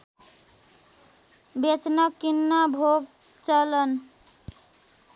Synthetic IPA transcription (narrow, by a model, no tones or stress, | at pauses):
bet͡ʃnʌkːinːabʱoɡ̚ | t͡ʃʌlən